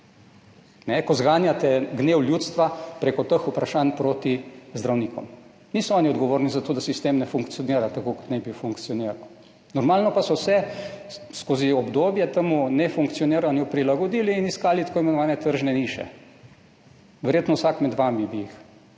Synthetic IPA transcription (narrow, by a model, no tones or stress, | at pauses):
nɛkɔzɡaːnjat̪ɛɡneːwljut̪st̪ʋapɾeːkɔt̪əxupɾaʃaːnpɾot̪izd̪ɾawniːkɔ̰m | niːsɔɔːniɔd̪ɡɔʋoːɾnizat̪oːd̪asist̪eːmnɛfuŋktsijɔniːɾat̪akoːkɔ̥t̪nɛbifuŋkt̪sijɔniːɾaw | nɔɾmaːlnɔpasɔwsɛ | skoːziɔbd̪oːbjɛt̪əmunɛfuŋkt̪sijɔniːɾanjupɾilaɡɔd̪iːliːniskaːlit̪akoːimɛnɔʋaːnɛt̪əɾʒnɛniːʃɛ̰ | ʋɛɾjeːt̪nɔwsakmɛd̪ʋamibiix